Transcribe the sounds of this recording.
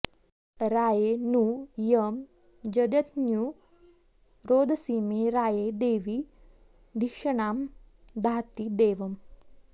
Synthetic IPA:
ɾaːjeːnuːjɐm | d͡ʒɐd̪ɐt̪njuː | ɾoːd̪ʱɐsiːmeːɾaːjeːd̪eːʋi | d̪ʱikʂɐɳaːm | d̪ʱaːt̪id̪eːʋɐm

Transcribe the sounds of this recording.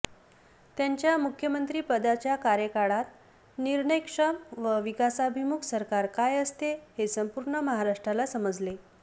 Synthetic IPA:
t̪jaɲt͡ɕjamukʰjəmənt̪ɾiːpəd̪at͡ɕjakaɾjəkaɽat̪ | niɾɳəjkʂəmʋəʋikasabʱimuksəɾkaɾkajəst̪ehesəmpuɾɳəməɦaɾaʂʈɾalasəməd͡zle

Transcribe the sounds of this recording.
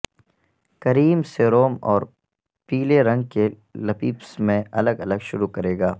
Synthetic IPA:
kɐɾiːmseɾoːmɔːɾ | piːleɾɐ̃ŋɡ̚ke | lɐpiːpsmẽʔɐləɡɐləɡʃʊɾukɐɾeːɡaː

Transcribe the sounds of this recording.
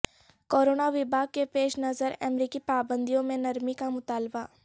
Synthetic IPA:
koːɾoːnaʋɪbʱaːɡ̚kepeːʃnɐzəɾɛmɾiːkipaːbə̃nd̪ijõmẽnɐɾmikamʊt̪aːlba

